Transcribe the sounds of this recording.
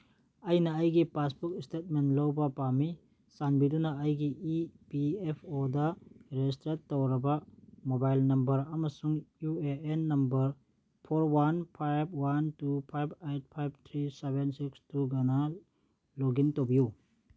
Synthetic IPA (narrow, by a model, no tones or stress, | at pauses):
ɐjnɐːjɡipasbukistet̚menlowbɐpami | sanbidunɐːjɡiipiepʰodɐɾed͡ʒistɾetːowɾɐbɐmobajlnɐmbɐɾɐmɐsuŋjueenːɐmbɐɾ | pʰoɾwanpʰajb̚wantupʰajbejt̚pʰajb̚t̪ʰɾisebensikstuɡana | loɡintobiju